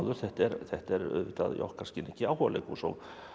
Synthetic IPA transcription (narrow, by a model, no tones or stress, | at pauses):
ðʏɾ̥θɛht̪ɛɾθɛht̪ɛɾʏ̰ðvɪt̪a̰ðjɔ̰hkʰaɾscɪnɛcɪawhɔlḛkusɔ̰ɣ